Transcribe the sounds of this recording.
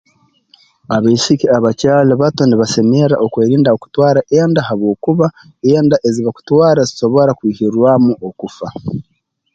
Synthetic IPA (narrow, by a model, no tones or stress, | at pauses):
aβeisikiaβacaːleβato̞niβase̞meɾa̰ʔo̞kwe̞ːɾiːndaoku̥twaːɾaʔeːndahaβwo̞ːkuβa | eːndaʔe̞ziβaku̥twaːɾazi̥so̞βo̞ɾakwiːhiɾwamuʔo̞kufa